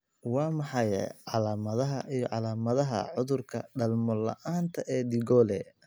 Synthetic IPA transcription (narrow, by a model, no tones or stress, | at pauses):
wɑːmɑħɑjɛ̰ʕɑlaːmɐðɐɦɐʔijɔʕɑlaːmɐðɐɦɐ̰ʕʊðʊrkʰɐɖɐlmɔlɐ̰ʔaːnt̪ʰɐʔɛːd̪ɪɣɔːlɛ